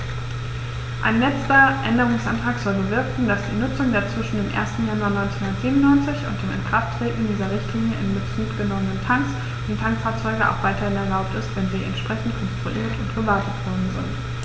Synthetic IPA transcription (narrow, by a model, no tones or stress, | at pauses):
ʔa̰ɪnlɛt͡stɐʔɛndəʁ̞ʊŋsʔa̰ntʁ̥aːkz̥ɔlbəvɪɐkŋ̩dasd̥iːnʊt͡sʊŋdeːɐt͡sv̥ɪʃn̩deːmʔḛːɐstn̩januaɐnɔʏnt͡sehʊndɐtz̥iːbmnʊnːɔʏnt͡sɪçʊnt̚d̥eːmɪ̰nkʁ̥aftʁ̥eːtn̩diːzɐʁɪçtliːnjəɪ̰nmɪt͡suːtɡ̥ənɔmənəntʰaŋks | ʔʊntʰaŋkfaːɐt͡sɔʏɡəʔa̰ʊxv̥aɪtɐhɪnɛɐlaʊp̚tɪstv̥ɛnziːɛ̰ntʃpʁ̥ɛçn̩tkʰɔnstʁ̥uʔiːɐtʊntɡ̥əvaɐtətv̥ɔɐdn̩zɪnt